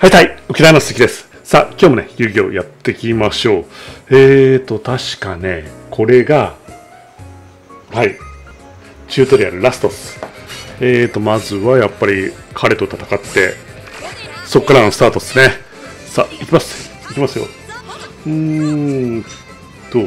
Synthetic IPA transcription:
hait̪aiokʲit̪aimast̪ekʲid̪e̞sɨ̥ | sa̰kʲo̞ːmo̞ne̞jɨ̟ːɡʲo̞ːjat̪ːe̞kʲimaɕo̞ːeːt̪o̞t̪aɕi̥kane̞kʰo̞ɾe̞ɡa | hai | t͡ɕɨːt̪o̞d̪e̞ja̰ɾɯ̟ɾasɨ̥t̪o̞sɨ̥ | eːt̪ːo̞mazɨβajapːaɾʲikʰaɾe̞t̪ːot̪ḁt̪ḁkat̪ːe̞̰ | so̞kːaɾano̞sɨ̥t̪aːt̪o̞sɨne̞ | saikʲimasɨ̥ | ikʲimasɨjo̞̰ | ɯ̃ | t̪o

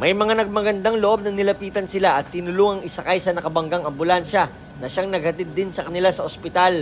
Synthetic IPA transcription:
mɐjmɐŋanɐɡ̚mɐɡɐnd̪aŋloʔo̞b̚nɐŋnɪlɐpiːt̪ɐnsɪlaʔɐt̪ːɪnʊluŋɐŋɪsɐkajsɐnɐkɐbɐŋɡaŋɐmbʊlanʃɐ | nɐʃaŋnɐɡ̚hɐt̪id̪ːɪnsɐkɐnɪlasɐʔospɪt̪al

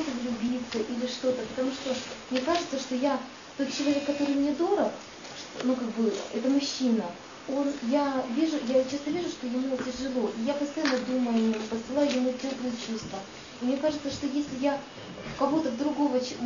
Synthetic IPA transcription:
t̪əvlʲʊbʲit̪səʔilʲɪʂt̪o̞t̪əpət̪ɐmuʂt̪o̞mnʲekaʐɨt̪səʂt̪o̞ja | t̪o̞t̪̚t͡ɕːɪlˠɐvʲe̞kːɐt̪o̞ɾɨjmnʲed̪o̞ɾək | ʂt̪nukak̚bɨlˠə̰ʔɛt̪əmʊɕːinə | o̞njavʲiʐʊjat͡ɕast̪əvʲiʐʊʂt̪o̞jɪmutʲɪrʐɨlˠo̞ʔijapəst̪ɐjanːəd̪uməjʊɐnʲompəsɨlˠajʊjɪmutʲoplˠəjət͡ɕust̪və | imnʲekaʐɨt̪səʂt̪o̞jesʲlʲɪja | kɐvo̞t̪əvd̪ɾʊɡo̞vət͡ɕ

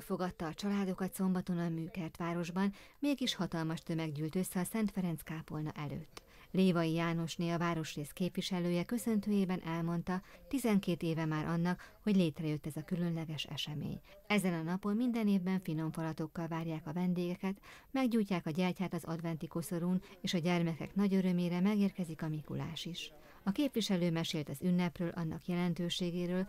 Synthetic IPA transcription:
fo̞ɡɒt̪ːɒːt͡ʃɒlaːd̪okɒt̪so̞mbɒt̪o̞nɒmmyːkɛrt̪ʋaːɾo̞ʒbɒnmeːɡiʃhɒt̪ɒlmɒʃt̪ø̞mɛɡɟyːlt̪ø̞sːɛɒsɛnt̪fɛɾɛnskaːpo̞lnɒ̰ʔɛlø̰ːt̪ː | leːvɒijaːno̞ʃneːlɒvaːɾo̞ʃreːskeːpviʃɛløːjɛkø̞sø̞nt̪øːjeːbɛnʔɛlmo̞nt̪ɒt̪izɛŋkeːt̪eːvɛmaːɾʔɒnːɒkho̞ɟleːt̪rɛjøt̪ːɛzɒkylø̞nlɛɡɛʃɛ̰ʃɛmḛːɲ | ɛzɛnɒnɒpo̞mmind̪ɛneːvbɛɱfino̞ɱfɒlɒt̪o̞kːɒlvaːrjaːkɒvɛnd̪eːɡɛkɛt̪mɛɡɟuːjcːaːkɒɟɛrcaːt̪ɒzɒ̰d̪vɛnt̪iko̞so̞ɾuːneːʃɒɟɛrmɛkɛ̰knɒɟøɾø̞meːɾɛmɛɡeːrkɛzikɒmikṵla̰ːʃiʃ | ɒkeːpʋiʃɛløːmɛʃeːlt̪ɒzynːɛprøːlʔɒ̰nːɒkjɛlɛnt̪øːʃeːɡeːɾøːl

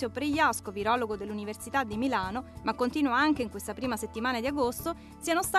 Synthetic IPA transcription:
jopɾejːaskoviɾɔːloɡod̪elːuniversit̪ad̪ːimilaːnomakːont̪iːnuaaŋk̟eiŋkwest̪apɾiːmaset̪ːimaːnad̪iaɡost̪o | sianost̪a

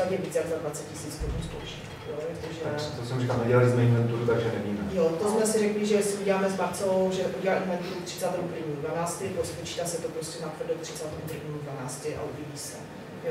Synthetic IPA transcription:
at̪jɛviːt͡sjaɡzadvat͡sɛt̪̚cɪsiːt͡st̪oɾunspowʃi̥k | jot̪oʒɛt̪osɛmurikalnaɟɛlɪzmɛɪɛnt̪uɾut̪aɡʒɛnɛbimɛjot̪osmɛsɪrɛklɪʒɛsɛuɟɛlaːmɛzmaɾt͡sowʒɛʔuɟʲɛlaːimmaɲt̪uukt̪r̝̥ɪ̥t͡saːt̪ɛmupɾvɲiːmudvanaːt͡st̪ɪpɾospot͡ʃiːt̪aːsɛt̪opɾoscʲɛnapfr̩dowkt̪r̥ɪ̥t͡saːt̪ɛmud̪rɾ̩uvɲiːmudvanaːt͡stɪʔa̰ʔuvjiɟiːsɛ | jo

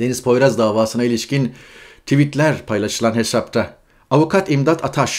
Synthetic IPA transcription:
d̪e̞nizpʰo̞jɾazd̪aːvaːsɯnailʲiʃcint̪ʰivit̪lʲæɾpʰajlˠaʃɯlˠanhe̞sap̚t̪ʰa | avukʰat̪imd̪at̪ʰat̪ʰaʃ

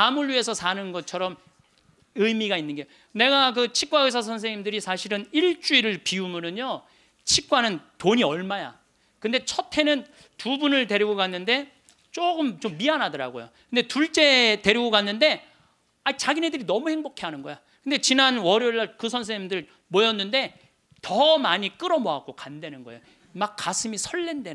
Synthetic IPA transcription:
amɯɭɥie̞sʰʌsʰanɯnɡʌt͡ɕʰʌɾʌm | ɯjmiɡainːɯnɡejo | ne̞ɡakɯt͡ɕʰik̚k͈waes̬ʰas̬ʰʌns̬ʰe̞ŋimdɯɾisʰaɕʰiɾɯniɭt͡ɕ͈uiɾɯɭpiumɯnɯɲo | t͡ɕʰik̚k͈wanɯntoɲiʌɭmaja̰ | kɯnde̞t͡ɕʰʌtʰe̞nɯn | tubunɯɭte̞ɾjiɡokanːɯnde̞ | t͡ɕ͈oɡɯmt͡ɕomːianɦadʌɾa̰ɡo̰jo̰kɯnde̞tuɭt͡ɕ͈e̞te̞ɾiɡokanːɯnde̞ | ait͡ɕaɡine̞dɯɾinʌmuhe̞ŋbokʰe̞ɦanɯnɡʌja | kɯnde̞t͡ɕinanwʌɾjoɭːaɭkɯsʰʌns̬ʰemdɯɭ | mojʌnːɯnde̞ | tʌmaɲik͈ɯɾʌmoak͈okande̞nɯnɡʌejo | mak͈ːasʰɯmisʰʌɭːende

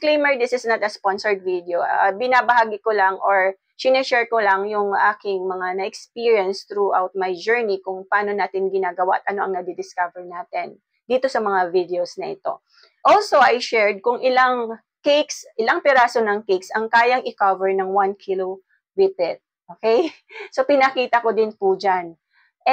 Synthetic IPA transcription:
klejmɛɹd̪ɪsɪsnɐt̪ɐsponsoɹd̪̚vid̪ɛoa̰bɪnabɐhaːɡɪkolɐŋʔoɹ | sɪnɛt͡ʃɛɹkolɐŋjʊŋʔaːkɪŋmɐŋanɐʔɛkspiɹjɐnst̪ɾuʔawt̪̚majd͡ʒɛɹnikʊŋpɐʔaːno̞naːt̪ɪnɡɪnaːɡɐwaʔɐt̪̚ʔɐno̞ʔɐŋnɐd̪ɪd̪ɪskavɛɹnaːt̪ɛn | d̪iːt̪o̞sɐmɐŋavid̪ɛosnɐʔɪt̪o̞̰ | ʔolsoʔajʃɛɹd̪̚kʊŋʔɪlaŋ | kejksʔɪlɐŋpɛɾaːsonɐŋkejksɐŋkaːjɐŋɪkavɛɹnɐŋwankʰilo | wɪpɪt̪̚ | ʔoːkɛj | sopɪnɐkiːt̪ɐkod̪ɪnpud͡ʒan | ʔɛ

